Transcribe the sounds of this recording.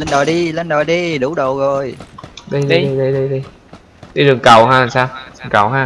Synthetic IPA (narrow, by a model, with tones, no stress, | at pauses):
lə˧nɗɔ˨˩jɗi˧lə˧nɗɔ˨˩jɗi˧ɗu˨˧˦ɗə˨˩wɣo˨˩jɗə˧jɗə˧ə˧jɗə˧jɗi˧ɗi˧ | ɗi˧ɗɨ˨˩əŋkə˨˩wɦaː˧a˨˩saː˧wɨ˨˩ŋkə̰˧˩wɦaː˧